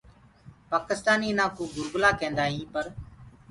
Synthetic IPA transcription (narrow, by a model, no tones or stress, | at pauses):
paːkɪst̪aːniːnãːkuːɡʊɾɡʊlaːkẽːnd̪aːɦĩːpəɾ